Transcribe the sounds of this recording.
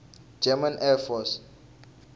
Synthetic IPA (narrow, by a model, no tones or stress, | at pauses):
d͡ʒɛmãnʔɛfɔs